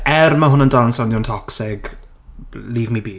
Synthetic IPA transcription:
ɛrmaɦʊnəndalˠnsawnuwntʰɔksɪɡ | liːvmibiː

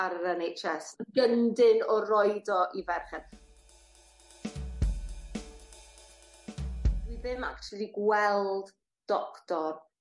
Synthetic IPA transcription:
aɾəɾɛnejt͡ʃɛsɡəndɪnɔrɔɨdɔʔivɛrχɛð | d̥wiðɪma̰k̚tʰulˠiɡwɛlˠd | d̥ɔktɔr

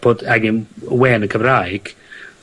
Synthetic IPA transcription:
b̥odaɡɪnwɛːnəkʰəvrajɡ̥

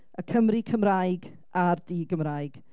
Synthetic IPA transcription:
əkʰəmrɪkʰəmrajɡ | ardiːɡəmrajɡ̥

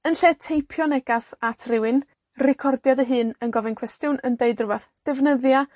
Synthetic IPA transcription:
ənɬeːtʰejpʰjɔnɛɡ̥asatʰrɪwɨn | rɪkʰɔrdjadəɦɨːnənɡɔvɛnkʰwɛstjʊnəndeɨdrʊvɛθd̥ɛvnəðja

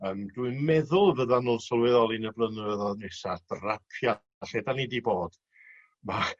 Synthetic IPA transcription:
əːmdwɨmɛðʊlˠvəðanuːnˠsəlˠwɪðɔlˠinəblˠənɛðɔðnɪsad̥rapʰja | ɬedanidiboːd̥ | ma

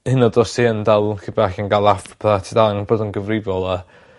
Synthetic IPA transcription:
hɪnɔdɔsiəndalˠkibaxənɡalˠafpʰatʰidaaŋboːdənɡəvrɪvɔlˠa

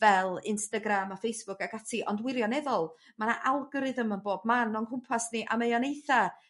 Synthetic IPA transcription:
vɛlˠɪnstaɡɾamafejsb̥ʊkaɡatʰiʔɔndwɪɾjɔnɛðɔlˠ | mana̰ʔalˠɡɔɾɨðəmənboːb̚manːɔnkʰʊmpʰasniʔa̰mejɔnejθa

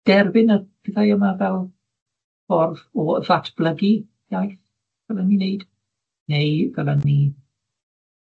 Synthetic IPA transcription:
d̥ɛrbɪnəb̥ɪðajəmavɛlˠ | fɔrðɔðatʰb̥ləɡi̥ | jajθ | v̥ɛlˠənːineɨd̥ | nejvɛlˠənni

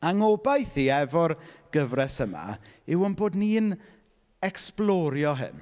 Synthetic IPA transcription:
aŋɔbajθiːɛvɔrɡ̥əvrɛsəma̰ɪwənboːdniːn | ɛksplˠɔɾjɔɦɪ̰n

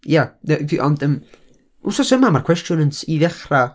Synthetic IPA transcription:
jaəviʔɔndəm | ṵsɔsəmamarkʰw̥ɛstjʊnənsiðɛχra

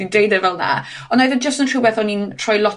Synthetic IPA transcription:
indejdəvɛlˠna̰ | ɔnajðəd͡ʒəstəntʰr̥ubɛθɔnintʰr̥ɔjlˠɔ

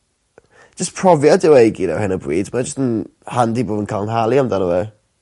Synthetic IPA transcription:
əspʰr̥ɔvjadɪwejɡina̰whɪnəbriːdmad͡ʒəstənhandiboːdənkʰalˠnɦalˠiamdanəwɛ

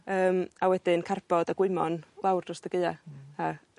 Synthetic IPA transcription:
əːmawɛdɪnkʰarb̥ɔdaɡ̥wɪmɔnlˠawrdrɔsd̥əɡejaa

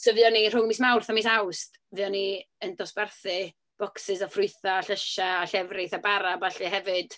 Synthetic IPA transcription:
sovɨɔnir̥ʊŋmismawrθamis̬awst | vɨɔniəndɔsb̥ɛrθɨ | b̥ɔksɪsɔfrʊjθaːɬəʃaːɬɛvrɪθabaɾabaɬɨɦɛvɨd̥

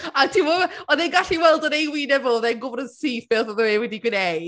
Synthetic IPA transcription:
atʰimɔɔðenɡaɬiwɛlˠdənejwinɛvɔlˠðɛnɡʊbɔɾənsiːfɪlˠθɔðəwewɛdiɡwɪnej

